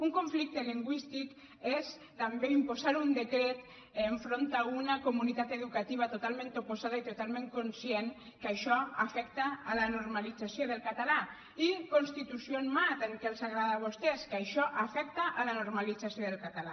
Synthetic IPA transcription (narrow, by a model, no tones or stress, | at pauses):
uŋkoɱflik̚t̪əliŋɡwist̪ik | es | t̪ambeimpozaɾund̪ekɾet̪ | eɱfɾont̪aunakomunit̪at̪eðukat̪iβ̞at̪ot̪alˠmẽnt̪oposaðait̪ot̪alˠmẽŋkonsjen | kaʃɔafɛkt̪aːlanoɾmalid͡zasjoðelˠkat̪ala | ikonst̪it̪usjonmat̪elkelzaɣɾaðaβ̞ost̪ɛskaʃɔʔafɛk̚t̪aʔːlanoɾmalid͡zasjoðelkat̪ala̰